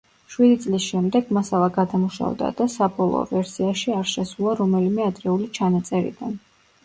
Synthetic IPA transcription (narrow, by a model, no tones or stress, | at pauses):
ʃwid̪it̪sʼlisʃɛmd̪ɛɡmasalˠaɡad̪amuʃa̰vd̪a̰d̪̥asabɔlˠɔ̰vɛɾsiaʃiaɾʃɛsulˠaɾɔmɛlimɛad̪ɾɛulit͡ʃʰanat̪sʼɛɾḭd̪an